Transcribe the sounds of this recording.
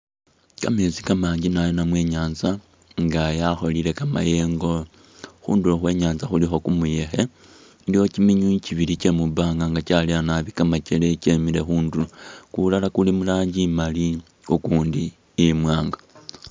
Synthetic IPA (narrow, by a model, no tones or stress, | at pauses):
kame̞ːzikamaːɲɟinajonamwe̞ːɲaːnza | ŋɡajaxo̞liɾe̞kama̰je̞ːŋɡo̞ | xṵːnduloxwe̞ːɲaːnzaxulixo̞kumuje̞xe̞ | dio̞cimiɲuciβilit͡ʃe̞mubaːŋɡaŋɡat͡ʃalianaβikamace̞le̞cemile̞xuːnduokulalakulimulaːɲɟimali | ukuːndiː | mwaːŋɡa